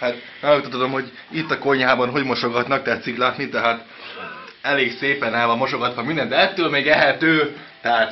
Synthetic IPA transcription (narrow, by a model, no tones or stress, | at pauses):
haːt̪ | ɛlut̪ːot̪od̪o̞mho̞ɟ | it̪ːɒko̞ɲaːbɒnɦo̞ɟmo̞ʃo̞ɡɒt̪nɒk̚t̪ɛɦɛt̪siklaːt̪nit̪ɛɦaːt̪ | ɛleːɡseːpɛnɛːlvɒmoʃo̞ɡɒt̪ʋɒmind̪ɛnd̪ɛɛt̪ːøːlmeːɡɛɦɛt̪øː | t̪ɛɦaːt̪